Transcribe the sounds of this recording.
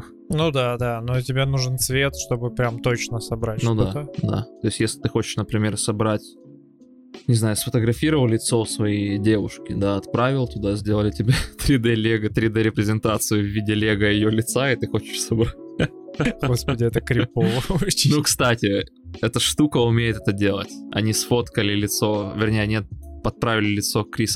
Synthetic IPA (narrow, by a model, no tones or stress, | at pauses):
nud̪ad̪anotʲɪbʲenuʐɨnt̪svʲet̪ʂt̪o̞bɨpɾʲamt̪o̞t͡ɕnəsɐbɾatʲnud̪ad̪a̰t̪o̞ɪsʲtʲjesʲlʲɪt̪ɨxo̞t͡ɕɪ̥ʂnəpɾʲɪmʲe̞rsɐbɾatʲ | nʲɪznajʊsfət̪əɡɾɐfʲiɾəvəlˠlʲɪt̪so̞fsvɐjidʲe̞vʊ̰ʂkʲɪd̪aɐt̪pɾavʲɪlˠt̪ʊd̪azʲdʲelˠəlʲɪtʲɪbʲat̪ɾʲɪd̪ɛlʲeɡət̪ɾʲɪd̪ɛɾʲɪpɾʲɪzʲɪnt̪at̪sɨjʊvʲːidʲɪlʲeɡəɪjolʲɪt̪saɪt̪ɨxo̞t͡ɕɪ̥ʂsɐbɾat̚ʲ | ɡospədʲɪɛt̪əkɾʲɪpovənukst̪atʲɪ | ɛt̪əʂt̪ukəʊmʲejɪt̪ɛt̪ədʲe̞lˠə̰tʲɐ̰nʲisfo̞t̪kəlʲɪlʲɪt̪so̞vʲɪrnʲejənʲet̪̚pɐt̪̚pɾavʲɪlʲɪlʲɪt̪so̞kɾʲis